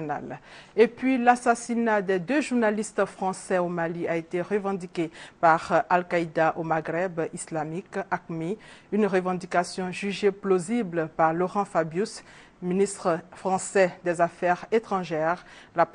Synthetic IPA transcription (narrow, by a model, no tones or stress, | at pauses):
na̰lepɥilasasinad̪ɛd̪øʒuʁnalist̪fχɑ̃sɛomaliaet̪eʁəvɑ̃d̪ikʲepaʁalkaid̪aʔomaɡʁɛbislamikakmiynʁəvɑ̃d̪ikasjɔ̃ʒyʒeplozibləpaʁlɔʁɑ̃fabjys | minist̪χəfχɑ̃sɛd̪ɛzafɛʁet̪χɑ̃ʒɛʁla